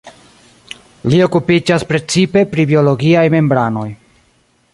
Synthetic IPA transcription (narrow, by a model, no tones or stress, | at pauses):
lio̞kupid͡ʒaspɾe̞t͡sipe̞pɾibio̞lo̞ɡiajme̞mbɾano̞j